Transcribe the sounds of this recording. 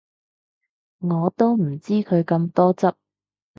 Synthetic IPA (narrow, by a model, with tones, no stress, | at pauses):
ŋɔː˨˧t̪o˥wm̩˨˩t͡siː˥kʰɵ˨˧ɥkɐ˧mt̪ɔː˥t͡sɐ˥p̚